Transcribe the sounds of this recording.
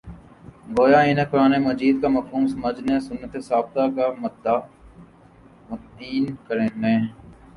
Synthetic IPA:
ɡoːjaːiːnekʊɾaːneməd͡ʒiːd̪̚kamɐfɦuːmsɐməd͡ʒnesʊnːət̪esaːb̚t̪aːkam | mət̪iːnkəɾeːnẽː

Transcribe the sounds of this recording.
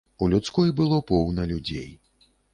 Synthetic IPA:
ulʲut̪skɔjbɨlˠɔpɔwnɐlʲud͡zʲḛj

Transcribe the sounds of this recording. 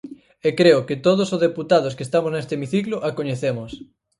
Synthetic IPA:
ekɾeʊkɪt̪oð̞osozðeput̪að̞ʊskest̪amoznest̪emiθiklʊʔakoɲeθemʊs

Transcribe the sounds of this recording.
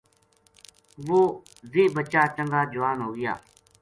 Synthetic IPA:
ʋoː | zeːbət͡ʃaːt͡ʃəŋɡaːd͡ʒʊʋaːnɦoːɡɪja̰ː

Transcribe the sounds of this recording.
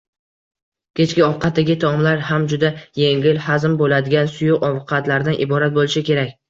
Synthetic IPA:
kʲʰe̞t͡ʃkʲɪɒwqʰɑt̪̚ːaɡʲɪt̪ʰɒmlaɾhamd͡ʒʊd̪ajeŋʲɪlhazmbolad̪ɪɡʲansʊjʊqɒvqʰɑt̪laɾd̪anʔɪbɒɾat̪̚bolˠɪʃɪkʲe̞ɾakʲ

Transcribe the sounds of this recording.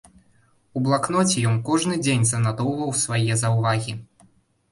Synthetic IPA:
ublˠaknɔt͡sʲɛjɔnkɔʐnɨd͡zʲenʲzɐnad̪ɔwvɐwsvajɛzɐwvaɣʲi

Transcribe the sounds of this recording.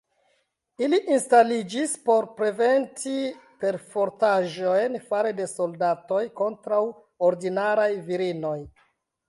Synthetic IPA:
iliʔinstalid͡ʒispo̞ɾpɾe̞ve̞ntipe̞ɾfo̞ɾtaʒo̞jnfaɾede̞so̞ldato̞jko̞ntɾaw | oɾdinaɾajviɾino̞j

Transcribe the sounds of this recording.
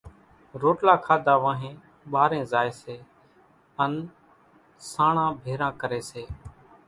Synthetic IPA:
ɾoːʈlaːkʰaːd̪ʱaːʋãːɦẽː | ɓaːɾẽːzaːeːseː | ən | saːɳãːbʱeːɾãːkəɾeːseː

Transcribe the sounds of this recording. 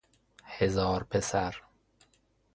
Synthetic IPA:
hezɒːɾpʰesæɾ

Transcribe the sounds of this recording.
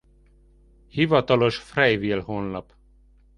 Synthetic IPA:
hivɒt̪ɒlo̞ʃfrɛjvilhonlɒp

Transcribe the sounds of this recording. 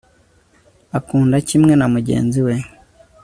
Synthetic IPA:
akuːndacimŋe̞namuɟe̞̰ːnziwe̞

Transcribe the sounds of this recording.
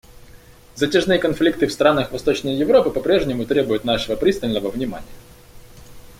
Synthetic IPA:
zɐtʲɪʐnɨjəkɐnflʲik̚t̪ɨfst̪ɾanəxvɐst̪ot͡ɕnəjjɪvɾo̞pɨpɐpɾʲe̞ʐnʲɪmʊt̪ɾʲe̞bʊjʊt̪naʂɨvəpɾʲist̪əlʲnəvəvnʲɪma̰nʲɪjə

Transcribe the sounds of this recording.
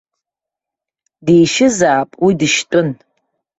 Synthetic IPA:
dejʃɪzaːpʼwidɨʃtʼʊn

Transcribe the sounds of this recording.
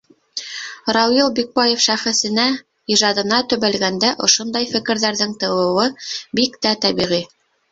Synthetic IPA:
rɑwjilˠbik̚bɑjefʃæχɘ̆sɘ̆næ | iʒɑd̪ɤ̆nɑt̪ɵ̆βælɡænd̪æʔŏʃond̪ɑjfɘ̆kɘ̆ɾðæɾðɘŋt̪ɤ̆wɤ̆wɤbikt̪æt̪æβiʁi

